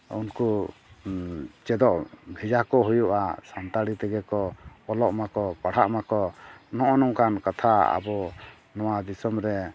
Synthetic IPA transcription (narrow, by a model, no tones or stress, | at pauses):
ṵnku | t͡ʃɛd̪ɔʔbʱɛd͡ʒakɔɦujuʔa̰sant̪aɽit̪ɛɡɛkɔɔlɔʔmakɔpaɽ̤aʔmakɔnɔʔɔnɔŋkankat̪ʰaa̰bɔ | nɔwad̪isɔmɾɛ